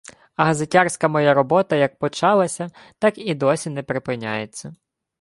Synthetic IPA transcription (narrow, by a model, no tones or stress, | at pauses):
ɐɦɐzetʲɑrsʲkɐmɔjaɾɔbɔt̪ɐjɐk̚pɔt͡ʃɑlˠɐsʲɐ | t̪ɑkid̪ɔsʲinɛpɾɪpɪnʲa̰jet͡sʲːɐ